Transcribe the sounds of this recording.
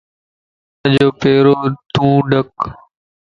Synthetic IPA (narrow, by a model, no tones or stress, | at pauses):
d͡ʒoːpeːɾoːt̪ũːɖək